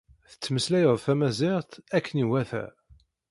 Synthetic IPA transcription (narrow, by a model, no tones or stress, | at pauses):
θə̥t͡sːməslæjəðˤθæmæzɪʁt̪ækːəniwæθæ̰